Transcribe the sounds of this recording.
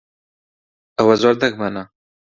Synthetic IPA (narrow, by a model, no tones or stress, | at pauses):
awazwaɾd̪aɡmana